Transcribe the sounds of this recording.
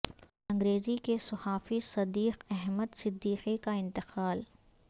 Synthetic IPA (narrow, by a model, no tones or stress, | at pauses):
ɐ̃ŋɡɾeːzikesɐhaːfisɐd̪iːqɛɦməd̪sɪd̪ːiːqikaɪ̃nt̪ɪqaːl